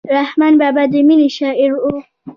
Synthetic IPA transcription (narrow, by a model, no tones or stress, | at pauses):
ɾahmanbabad̪iminiʃaʔiɾu